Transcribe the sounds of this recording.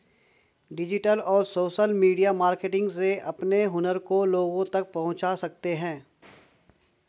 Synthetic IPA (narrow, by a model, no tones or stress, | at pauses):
ɖɪd͡ʒɪʈəlɔːɾsoːʃəlmiːɖijamaːɾkeʈɪ̃ŋɡseɐpneɦʊnəɾkoloːɡõt̪ɐk̚pɐɦʊ̃t͡ʃasɐk̚t̪eɦɛ̃ː